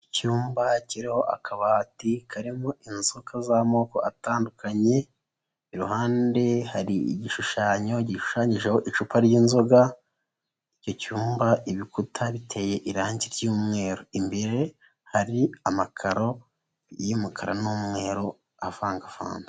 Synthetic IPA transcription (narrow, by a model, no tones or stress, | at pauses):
icuːmbaciɾiho̞ʔa̰kʰaβatikʰaɾimoʔinzokazamo̞ːko̞ataːndukʰaɲe̞ː | ɾuɦaːnde̞haɾiḭɟiʃuʃaːɲo̞ɟiʃu̥ʃaːɲiʒeho̞ʔit͡ʃupaɾjiːnzo̞ɡa | io̞cuːmbaiβikutʰaβitʰe̞je̞ʔiɾaːɲɟiɾjuːmŋe̞ːɾo̞imbe̞ɾe̞ | haɾiamakʰaɾo̞ | jimukʰaɾanuːmŋe̞ːɾo | afaːŋɡafa̰ːnza